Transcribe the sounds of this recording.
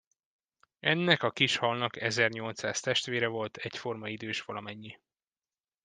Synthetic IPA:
ɛnːɛkɒkiʃhɒlnɒkɛzɛrɲo̞lt̪saːst̪ɛʃt̪ʋeːɾɛvo̞lt̪ʰɛcfo̞rmɒid̪øːʃʋɒlɒmɛɲːi

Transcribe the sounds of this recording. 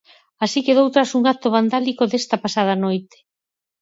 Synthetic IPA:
asikeðowt̪ɾasuŋɡat̪oβand̪alikoðest̪ɐpasað̞ɐnojt̪e̥

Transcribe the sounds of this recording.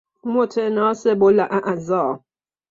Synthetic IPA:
motʰenɔsebolaʔaʔazɔː

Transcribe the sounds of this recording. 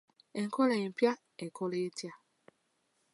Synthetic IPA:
eŋ̩kɔlem̩pja | ekɔletja

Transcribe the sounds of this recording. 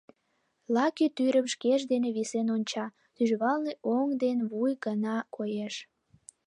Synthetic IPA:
lɑkit̪yɾəmʃkeʃd̪eneβisenonʲt͡ɕɑ | t̪yʒβɑlneʔoŋd̪enβujɡənɑkojeʃ

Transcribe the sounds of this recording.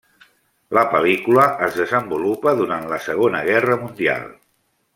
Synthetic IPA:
ləpəlikuləəzðəzəmbulupəðuɾant̪ləsəɣ̞onəɣ̞ɛrəmund̪ia̰lˠ

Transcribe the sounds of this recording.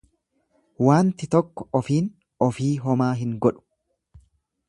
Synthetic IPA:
waːnt̪ɪt̪ɔkːɔ̥ɔfiːn | ɔfiːɦɔmaːɦɪŋɡɔᶑʊ̥

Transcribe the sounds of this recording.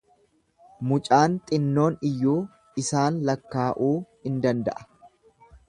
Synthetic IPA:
mʊt͡ʃʼaːnt̪ʼɪnːo̞ːnɪjːuː | ɪsaːnlɐkːaːʔuːhɪnd̪ɐnd̪ɐ̰ʔɐ̥

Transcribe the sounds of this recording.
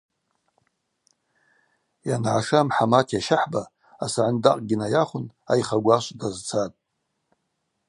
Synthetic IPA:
janʕaʂamħamatʰjaʃaħba | asaʕandaqʼɡʲɪnajaχʷʊna̰jχaɡʷaʃʷdazt͡sʰatʼ

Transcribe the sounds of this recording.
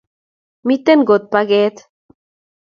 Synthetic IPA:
mit̪enɡot̪̚paɡet̪

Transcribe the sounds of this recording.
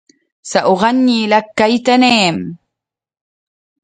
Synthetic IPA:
saʔoʁɑɲːilakːajt̪aneːm

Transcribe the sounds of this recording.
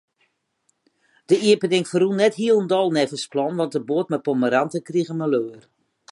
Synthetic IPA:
d̥əiəpənɪŋfərunɛtɦiəlˠəndɔlˠnɛfəsplɔnʋɔntdəboətmɛpɔməɾantəkriɣəməløːər

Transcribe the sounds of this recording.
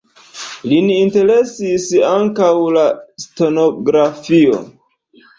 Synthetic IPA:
liniinte̞ɾe̞sisaŋkawlasto̞no̞ɡɾafio̰

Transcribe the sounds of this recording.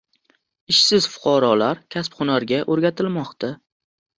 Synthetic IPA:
ɪʃsɪz̥fʊ̥qʰɒɾɒlaɾkʲʰaspχʊnaɾɡʲaʔoɾɡʲat̪ʰɪlmɒqt̪a

